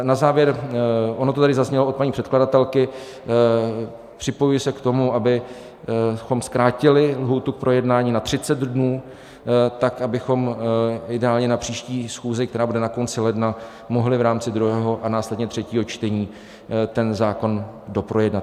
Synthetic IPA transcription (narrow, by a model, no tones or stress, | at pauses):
nazaːvjɛɾʔonot̪ot̪adɪzazɲɛloot̪paɲiːpr̥ɛt̪kladat̪ɛlkɪ | pr̥ɪpo̞jujɪsɛkt̪o̞muʔabɪ | xo̞mskɾaːcɪlɪlɦuːt̪uk̚pɾʔo̞jɛdnaːɲiːnat̪r̥ɪt͡sɛd̪dnuː | t̪akabɪxo̞mɪdɛaːlɲɛnapr̝̥iːʃciːsxuːzɪk̚t̪ɛɾaːbudɛnako̞nt͡sɪlɛdna | mo̞ɦlɪvɾaːmt͡sɪd̪ɾuɦɛːɦo̞ʔanaːslɛdɲɛt̪r̝̥ɛciːɦo̞t͡ʃt̪ɛɲiː | t̪ɛnzaːko̞ndo̞pɾo̞jɛdnat̪